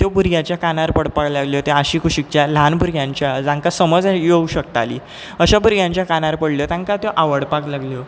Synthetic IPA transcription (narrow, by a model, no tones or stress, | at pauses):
t̪jobuɾjat͡ɕjakanaɾpəɽpaɽlaɡljot̪eaɕiːkʰuɕik̚t͡ɕjalanbʱuɾɡjãɲt͡ɕjad͡zãŋkasəməd͡zjeuɕəkt̪alḭː | əɕabuɾjãɲt͡ɕjakanaɾpəɽljot̪ãŋkat̪joʔaʋəɽpaklaɡljo